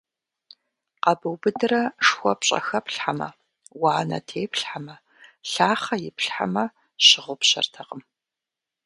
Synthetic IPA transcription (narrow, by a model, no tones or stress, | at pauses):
qɐbɨwbɨdɨrɐʂxʷɔpɕʼɐ̰xɐpɬħamɐ̰ | waːnɐ̰tʰeːpɬħamɐ | ɬaːχɐjɪpɬħa̰mɐ | ɕɪʁʷʊpɕɐ̰rtʰɐqəm